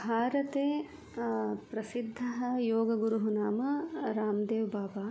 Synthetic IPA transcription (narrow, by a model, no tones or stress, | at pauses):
bʱaːɾɐt̪eː | pɾɐsid̪ʱːɐɦɐjoːɡɐɡuɾuɦunaːmɐɾaːmd̪eːʋbaːbaː